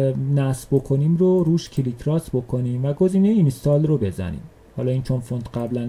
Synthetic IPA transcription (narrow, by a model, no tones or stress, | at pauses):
næsbo̞kʰo̞nimɾoɾuːʃcʰilikʰɾɒsbo̞kʰo̞niːmvæɡozinmejimst̪ɒːlrobe̞zæ̰nḭːm | hɒ̰ːlɒːiːnt͡ʃʰo̞nfont̪ɢæblæn